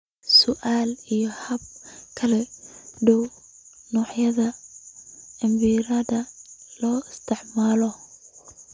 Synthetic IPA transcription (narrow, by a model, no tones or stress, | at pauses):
sʊʔaːlijɔhɐb̚kʰɐlɛɖɔw | nɔːħjɐðɐ | ɪmbiɾɐðɐlɔːɪst̪ʰɪʕmaːlɔ